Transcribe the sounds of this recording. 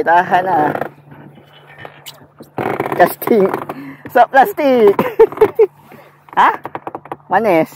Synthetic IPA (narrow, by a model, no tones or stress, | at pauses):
t̪aɦana | d͡ʒast̪ʰĩŋsɔplast̪ik̚ | a | wãnɛs